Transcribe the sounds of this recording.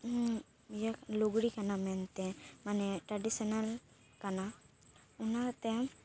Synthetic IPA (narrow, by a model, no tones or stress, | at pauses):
jakluɡɽikanamɛnt̪ɛmanɛʈɾaɖisɔnal | kana | unat̪ɛ